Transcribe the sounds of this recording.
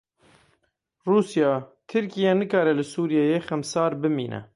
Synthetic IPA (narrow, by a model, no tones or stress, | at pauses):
ruːsijɑːt̪ʰɨɾkijɛnɨkɑːɾɛlɨsuːɾijɑːjeːxɛmsɑːɾbɨmḭːnʔɛ̰